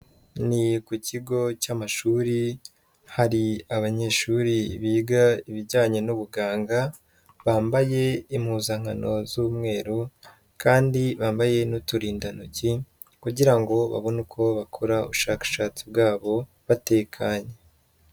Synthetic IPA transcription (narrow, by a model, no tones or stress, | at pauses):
nikuciɡo̞camaʃuːɾi | haɾiaβaɲe̞ːʃuɾiβiːɡaiβiɟaːɲe̞nuβuɡaːŋɡa | βaːmbaje̞im̥huːzaŋ̥ano̞zuβmŋe̞ːɾu | kaːndiβaːmbaje̞nutuɾiːndanuci | kuɟiɾaŋɡo̞βa̰βo̞nukʰo̞βakʰoɾaṵβuʃaːkḁʃaːt͡sib̚ɡaːβo̞ | βate̞ːkʰaɲe